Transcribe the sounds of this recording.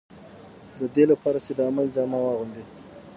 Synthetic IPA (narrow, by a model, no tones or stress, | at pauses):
d̪əd̪elapɑɾat͡ʃed̪əamald͡ʒɑmawɑɣund̪i